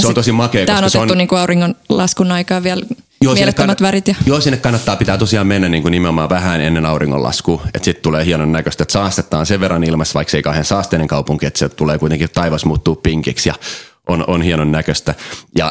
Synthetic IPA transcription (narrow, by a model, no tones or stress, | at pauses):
seoosimɑkeːk̪ːæoosnotseonːuniːŋkuɑuriŋːonlɑskunɑikɑːʋiæl | joːsmeinːekkːmːæt̪ʋærit̪jɑjoːsinːekɑnːɑt̪ːɑːpit̪æːt̪osiɑːmenːænniːŋkunimeomɑːʋæhænenːenɑuriŋːo̰lɑ̰skuːḛt̪sit̪t̪uleːhiɑnonːækøst̪æet̪sɑːst̪et̪ːɑːnseʋʋerːɑnilmɑsʋɑikseikɑhensɑːst̪eːneŋkɑupuŋkiet̪set̪uleːkuit̪eŋkit̪ɑiʋɑsmuːt̪ːuːppiŋkiksjɑ̰ | ʔononhiɑnonːækøst̪æjɑ̰